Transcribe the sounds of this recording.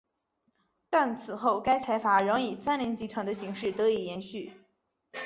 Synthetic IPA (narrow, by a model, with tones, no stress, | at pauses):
t̪a˥˩nt͡sʰɹ̩˨˩xo˥˩ʊka˥ɪt͡sʰa˧˥ɪfa˧˥ɻə˧˥ŋi˨˩sa˥nli˧˥ŋt͡ɕi˧˥t̪ʰwa˧˥nd̪ə˧ɕi˧˥ŋʂɻ̩˥˩t̪ɤ˧˥i˨˩jɛ˧˥nɕy˥˩